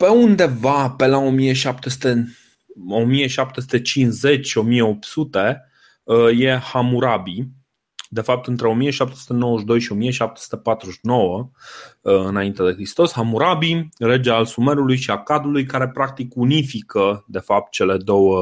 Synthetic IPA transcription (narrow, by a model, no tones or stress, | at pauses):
pe̞und̪e̞vape̞lao̞mije̞ʃapt̪e̞su̥t̪e̞ | omije̞ʃap̚t̪esu̥t̪et͡ʃinze̞t͡ʃʲʃio̞mije̞o̞p̚t̪sut̪e̞ | je̞hamuɾabi | d̪e̞fap̚t̪ɨnt̪ɾe̞o̞mije̞ʃapt̪esut̪e̞nowəʃ̬d̪ojʃio̞mijeʃap̚t̪e̥su̥t̪epat̪ɾuʃno̞wə | ɨnaint̪ed̪e̞xɾist̪o̞shamuɾabiɾe̞d͡ʒealsume̞ɾulujʃiakad̪ulujkaɾe̞pɾak̚t̪ikunifikəd̪e̞fap̚t̪̚t͡ʃe̞le̞d̪o̞wə